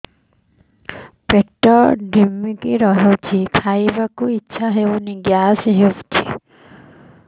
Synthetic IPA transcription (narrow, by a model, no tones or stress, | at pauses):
peʈɔɖʱimːikiɾɔɦewt͡ʃʰikʰajbakuitːʃʰaɦewniɡjasɦewt͡ʃʰi